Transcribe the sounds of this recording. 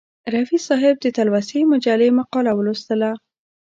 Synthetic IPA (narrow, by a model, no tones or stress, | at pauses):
ɾafisɑɦɪb̚d̪ət̪alwasemʊd͡ʒalemaqɑlawəlust̪əla